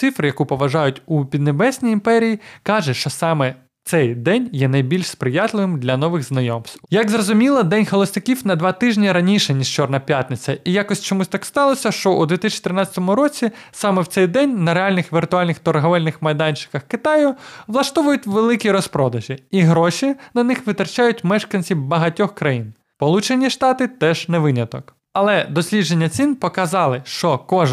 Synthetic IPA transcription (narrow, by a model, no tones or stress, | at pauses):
sɪfɾɪjɐkupɔʋɐʒɑjʊtʲupʲid̪nebɛsʲnʲijimpɛɾʲijikɑʒɛʃt͡ʃɔsɑmɛ | t̪sɛjd̪ɛnʲjɛnɐjbʲilʲʃspɾɪjɑt̪lˠɪʋɪmd̪lʲɐnɔʋɪɣznɐjɔmst̪jɐɡzrɔzʊmʲilˠɐd̪ɛnʲxɔlˠɔsnɪkʲiwnɐd̪ʋɑt̪ɪʒnʲiɾɐnʲiʃɛnʲiʃt͡ʃɔrnɐpʲjat̪ʲnɪt͡sʲɐijɑkɔsʲt͡ʃɔmusʲt̪ɑkst̪ɑlˠɔsʲɐʃt͡ʃɔʔud̪ʲʋʲit̪isʲʃʲt͡ʃi̥t̪ɾɪnɑt͡sʲɐ̥t̪ɔmʊɾɔt͡sʲisɑmɛwt̪sɛjd̪ɛnʲnɐɾeɑlʲnɪxʋʲirt̪ʊɑlʲnɪxt̪ɔrɦɔʋɛlʲnɪxmɐjd̪ɑnʲt͡ʃɪ̥kɐxkɪt̪ɑjʊʋlˠɐʃt̪ɔʋʊjʊtʲʋelˠɪkʲiɾɔspɾɔd̪ɐʒʲiiɦɾɔʃʲinɐnɪxʋɪt̪rt͡ʃɑjʊtʲmɛʃkɐnʲsʲiwbɐɦɐtʲɔxkɾɐjin | pɔlˠut͡ʃenʲiʃt̪ɑt̪ɪt̪ɛʒ̥nɛʋɪnʲɐt̪ɔ̰k | ɐlˠɛd̪ɔsʲlʲidd͡ʒe̞nʲːɐt͡sʲinpɔkɐzɑlˠɪʃt͡ʃɔkɔʒ